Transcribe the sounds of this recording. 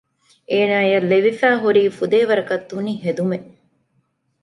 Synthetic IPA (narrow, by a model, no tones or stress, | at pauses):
ʔeːnaːjɐleʋifæːɦuɾiːfud̪eːʋɐɾɐkɐt̪ːuniɦed̪ume